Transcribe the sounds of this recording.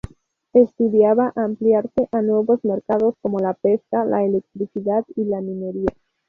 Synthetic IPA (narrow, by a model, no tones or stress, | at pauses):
e̞st̪uðiaβaʔampliaɾse̞ʔanwe̞βo̞zme̞ɾkaðo̞sko̞mo̞lape̞skala̰ele̞k̚t̪ɾisiðat̪ilamine̞ɾia